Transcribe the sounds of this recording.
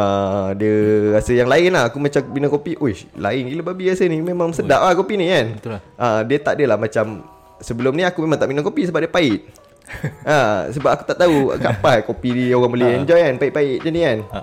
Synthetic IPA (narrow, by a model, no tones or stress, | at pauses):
ədiəɣasəjaŋlaɪnlahakumat͡ʃaminakopiʔohla̰ɪnɡiləbabiɣasənimemãŋsədaʔlahkopinikanədiət̪aʔdəlahmat͡ʃam | səbəlʊmniakumemaŋt̪aʔminəŋkopisəbaʔ̚diəpaɪʔ̪̚ | asəbap̚aku̥t̪aʔt̪aṵkapaɦkopiioɣaŋbəlɛɛɲd͡ʒɔjanpait̪ʔ̚paɪʔ̪̚d͡ʒanian